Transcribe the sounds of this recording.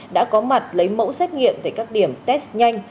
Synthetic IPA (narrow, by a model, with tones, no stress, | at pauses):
ɗa̰ː˧˥kɔ˨˦ma˨˩t̚lə˨˦jmo̰˧˥wsɛ˦˥t̚ŋḭ˧˨əmt̪ʰaː˧˩kaː˦˥k̚ɗi˧˩əmt̪ɛ˦˥sɲa˧jŋ̟